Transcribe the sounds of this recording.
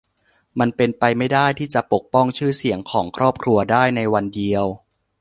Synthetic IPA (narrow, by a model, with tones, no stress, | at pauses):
ma˧npe˧npa˧jma˥˩jdaː˥˩jt̪ʰiː˥˩t͡ɕa˨˩po˨˩k̚pɔ˥˩ŋt͡ɕʰɯː˥˩si˩˦əŋkʰɔː˩˦ŋkʰɾɔː˥˩p̚kʰɾu˧ɐdaː˥˩jna˧jwa˧ndi˧əw